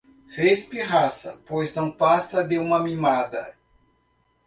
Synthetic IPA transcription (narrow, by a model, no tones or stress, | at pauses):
fespiɦasɐpojznɐ̃w̃pasɐd̪eũmɐmimad̪ɐ̰